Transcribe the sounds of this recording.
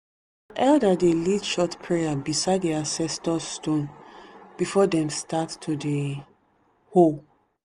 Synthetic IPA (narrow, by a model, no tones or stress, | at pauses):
ʔɛldadelidʃɔtpʰɹɛjabisaɪddiasɛstɔsːtõnb̥ifɔdɛ̃mstatːʰude | hol